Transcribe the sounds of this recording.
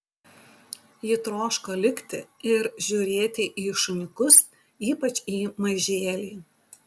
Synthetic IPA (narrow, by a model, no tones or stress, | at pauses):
jɪt̪ɾoːʃkoːlʲɪkʲt̪ʲɪɪɾʒʲuːɾʲeːt̪ʲɪʔiːʃʊnʲɪkʊs | iːpɐt͡ʃʲiːmɐʒʲeːlʲiː